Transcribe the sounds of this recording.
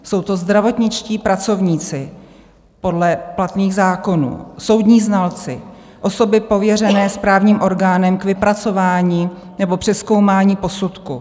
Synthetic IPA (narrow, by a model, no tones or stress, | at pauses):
so̞wt̪o̞zd̪ɾavo̞t̪ɲɪt͡ʃciːpɾat͡so̞vɲiːt͡sɪ | po̞dlɛplat̪niːɣzaːko̞nṵːso̞wd̪ɲiːznalt͡sɪ | ʔo̞so̞bɪpo̞vjɛrɛnɛːspɾaːvɲiːmʔo̞ɾɡaːnɛmkvɪpɾat͡so̞vaːɲiː | nɛbo̞pr̥ɛsko̞wmaːɲiːpo̞sut̪ku